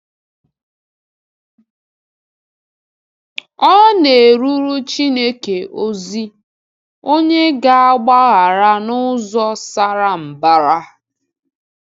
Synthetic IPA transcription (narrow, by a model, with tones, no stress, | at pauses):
ɔ˦ne˨ɾu˦ɾu˦t͡ʃi˦ne˦ke˨ʔo˦zi˦ | o˦ɲe˦ɡa˨a˦ɡ͡ba˦ɣa˨ɾa˦nʊ˦zɔ˦sa˦ɾa˦m̩˨ba˦ɾa˦